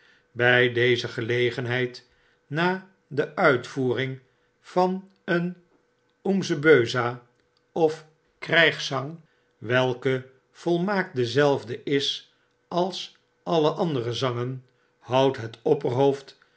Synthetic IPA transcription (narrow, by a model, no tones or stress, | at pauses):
bɛjdejzəχəlejχənɦɛjt | naː | dəʔœɥtfuːrɪŋ | v̥ɑn | ən | umzəbøɥza | ɔf | krɛjχsɑŋ | ʋɛlˠkə | v̥ɔlˠmaːk̚dəzɛlˠvdəɪs | ɑlˠs | ɑləʔɑndərəzɑŋən | hɑwtɦətɔpərɦowft